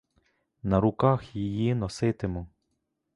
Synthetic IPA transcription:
nɐɾʊkɑxjijinɔsɪt̪ɪmʊ

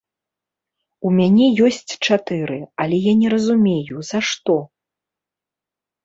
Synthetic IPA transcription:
umʲanʲɛjɔsʲt͡sʲt͡ʂat̪ɨɾɨɐlʲɛjanʲɛɾɐzumʲejuz̥aʂt̪ɔ

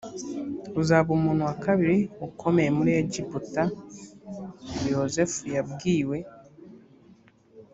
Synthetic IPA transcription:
uzaβumuːn̥huwakaβiɾiukʰo̞me̞jemuɾieɟiputa | joze̞fujabɡiːwe̞

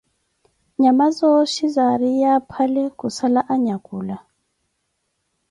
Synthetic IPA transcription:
ɲamazɔʃizaɾijapʰalɛkusalaʔaɲakuːla

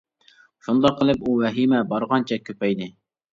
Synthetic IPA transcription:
ʃund̪ɑqʰːəlˠɨpuwɛɦimɛbɑɾʁɑnt͡ʃʰɛkʲʰøpɛjd̪ɪ

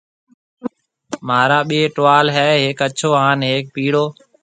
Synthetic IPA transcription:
maːɾaːɓieːʈoʋaːlɦɛːɦeːkət͡ʃʰoːaːnɦeːk̚piːɽoː

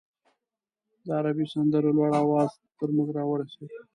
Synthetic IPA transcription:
d̪əaɾabisand̪əɾolwɑɽawɑz̥ | t̪əɾmuɡɾɑwəɽasew

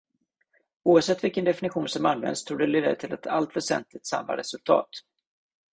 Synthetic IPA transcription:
uːavsɛt̪ːvɪlkənd̪ɛfɪnɪɧuːnsɔmanvɛ̰nd̪st̪ʰuːɡɖ̪ɛleːd̪əɾət̪ʰɪlɛt̪ʰalt̪vɛʂɛ̰nt̪lɪt̪sa̰mːa̰ɾɛsɵlt̪ʰɑ̰ːt̪

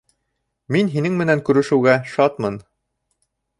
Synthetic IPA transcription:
minɦinɘŋmɘ̆næŋkʉɾɘ̆ʃɘ̆wɡæʃɑt̪mɤn

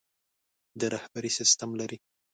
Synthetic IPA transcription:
d̪əɾahbaɾisɪst̪amlaɾi

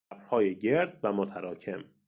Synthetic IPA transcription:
bɾhɒːjeɟe̞ɾd̪̚væmot̪ʰæɾɒːcʰe̞m

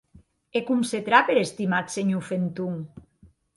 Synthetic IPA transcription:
ekumset̪ɾapeɾest̪imaseɲufent̪uŋ

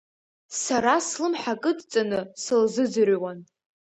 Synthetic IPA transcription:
saɾaslɨmħakʼɨdt͡sʼanɨsɨlzɨd͡zɨrwan

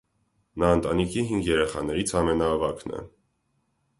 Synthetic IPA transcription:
nɑənt̪ɑnikʰiɦiŋɡjɛɾɛχɑ̰nɛɾit͡sʰɑmɛnɑːvɑknɛ̰

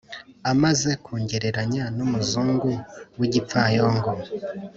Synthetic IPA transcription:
amaze̞kʰuːɲɟeɾeɾaɲanumuzuːŋɡuwiɟipfajoːŋɡo

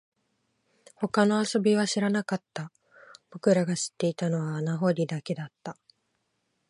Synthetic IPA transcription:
ho̞kano̞aso̞bʲiβ̞aɕiɾanakat̪ːa | b̥o̞kɯ̟ɾaɡaɕi̥t̪ːe̞it̪ano̞βaːnaɦo̞ɾʲid̪ake̞d̪at̪ːa

